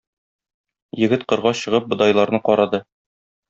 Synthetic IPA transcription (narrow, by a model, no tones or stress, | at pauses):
jɘ̆ɡɘt̪qɤ̆ɾʁɑɕɤ̆ʁɤp̚bŏd̪ɑjlˠɑɾnɤqɒɾɑd̪ɤ